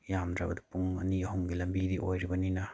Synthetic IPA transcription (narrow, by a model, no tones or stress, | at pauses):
jamdɾɐbɐd̪ɐpuŋɐ̰niɐhumɡilɐmbidiʔojɾibɐninɐ